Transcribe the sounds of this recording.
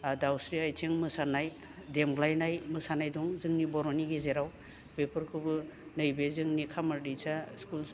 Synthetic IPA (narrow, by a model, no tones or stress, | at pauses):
dawsɾiajtʰeŋmɯsanaj | demɡlajnajmɯsanajdɔŋzɯŋnibɔɾɔniɡizeɾaw | pepʰɯɾkʰɯbɯnɯjbezɯŋnikʰamaɾdijt͡ʃʰaskul